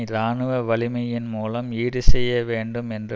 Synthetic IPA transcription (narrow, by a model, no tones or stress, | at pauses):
ɾaːɳɯʋɐʋɐɭɪmɐjɪnmuːlɐmiːɽɯsɛjːɐʋeːɳɖɯmɛndɯ